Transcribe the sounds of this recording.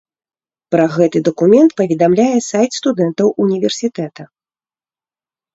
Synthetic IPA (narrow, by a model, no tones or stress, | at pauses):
pɾɐɣɛt̪ɨd̪ɐkumʲɛnt̪̚pɐvʲɛd̪amlʲajɛsajt̪st̪ud̪ɛnt̪ɐwʔunʲivʲɛrsʲit̪ɛt̪ɐ